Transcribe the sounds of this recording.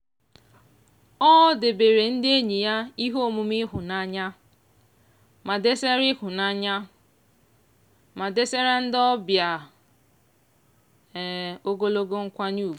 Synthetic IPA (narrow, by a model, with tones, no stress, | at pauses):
ɔ˦de˨be˨ɾe˨n̩˦dɪ˦e˦ɲi˨ja˦i˦ɦo˦˨mu˨mɪ˦ɦʊ˨na˦ɲa˦ | ma˨de˦se˦ɾɪ˦kʊ˨na˦ɲa˦ | ma˨de˦se˦ɾa˦n̩˦dɔ˦bja˨ | o˦ɡo˦lo˦ɡo˦ŋ̩˦kʷa˦ɲu˦˨bu˨